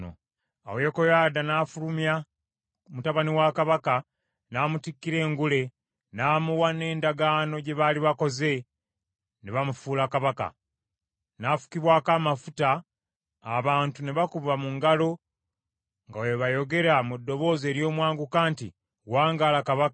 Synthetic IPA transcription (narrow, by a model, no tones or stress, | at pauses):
o̰ | a̰wekojaːdanaːfulumja | mutaβaniwakaβaka | naːmutikːiɾe̞ːŋɡule̞ | naːmuwane̞ːndaɡaːno̞ɟe̞βaliβako̞ze̞ | neβamufuːlakaβaka̰ | nafu̥kiβwaːkaːmafutaː | βaːntuneβakuβamuŋɡalo̞ | ŋɡaweβajo̞ɡe̞ɾamudːo̞βo̞ːze̞ːɾjo̞ːmwaːŋɡukaːnti | waːŋɡaːlakaβak